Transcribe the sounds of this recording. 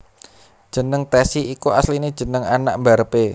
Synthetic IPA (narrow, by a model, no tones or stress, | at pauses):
d̥ʒ̥ə̤nəŋt̪ɛsiːkuaslinid̥ʒ̥ə̤nəŋana̰ʔmbaɾəpe